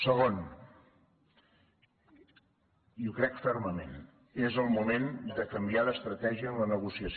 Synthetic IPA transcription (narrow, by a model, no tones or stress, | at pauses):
səɣ̞on | iukɾɛkfɛɾməmḛn | ezəlˠmumend̪əkəmbialəst̪ɾət̪ɛʒiəːmlənəɣusiəs